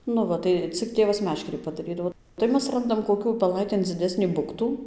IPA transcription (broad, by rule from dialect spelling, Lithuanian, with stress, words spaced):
nʊ ˈʋɐ tɐɪ ˈt͡sʲɪk ˈtʲeːʋɐs ˈmʲæːʃʲkʲɛrʲiː pɐdɐˈrʲiːdɐʋoː tɐɪ ˈmʲɛs ˈrɐndɐm koːˈkʲuː ʊpʲɛˈlˠɐɪtʲeːn d͡zʲɪˈdʲæːsʲnʲiː ˈbʊktuː